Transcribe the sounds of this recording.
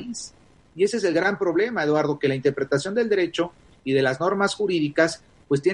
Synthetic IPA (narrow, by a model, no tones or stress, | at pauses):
is | ie̞sees̬e̞lɣɾampɾo̞βle̞mae̞ðwaɾðo̞ke̞laint̪eɾpɾe̞t̪asjo̞nd̪eld̪e̞ɾe̞t͡ʃo̞ | iðe̞lazno̞ɾmasxuɾiðikas | pwe̞st̪je